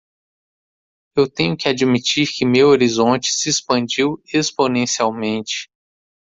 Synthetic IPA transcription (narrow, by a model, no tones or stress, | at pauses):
ewt̪ẽɲʊkɪad͡ʒmit͡ʃiɾkɪmewoɾizõnt͡ʃɪ̥sɪespɐ̃nd͡ʒiwesponẽsiawmẽnt͡ʃɪ̥